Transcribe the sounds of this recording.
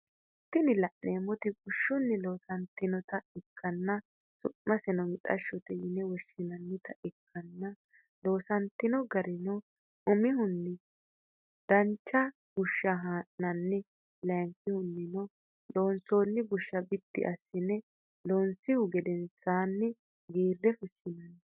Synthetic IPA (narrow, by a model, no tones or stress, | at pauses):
ɛt̪ːɪnɪlɐʔneːmɔt̪ɪɡʊʃːʊnːɪlo̞ːsɐnt̪ːɪnɔt̪ɐɪkʰːɐnːɐ | sʊʔmɐsɛnɔmɪt̪ʼɐ̰ʃːɔt̪ɛjɪnɛwɔʃːɪnɐnːɪt̪ɐɪkʰːɐnːɐ | lo̞ːsɐnt̪ːɪnɔɡɐɾɪnɔ | ʊmɪhʊnːɪ | d̪̥ɐnt͡ʃːɐ | ɡ̥ʊʃːɐɦaːʔnɐnːɛ | lɛŋkːɪhʊnːɪnɔ | lo̞ːnsoːnːɪɡʊʃːɐbɪt̪ːɪ̰ʔɐsːɪnːɛ | loːnsɪhʊɡɛd̪ɛnsaːnːɪ | ɡiːrːɛfʊʃːɪnɐn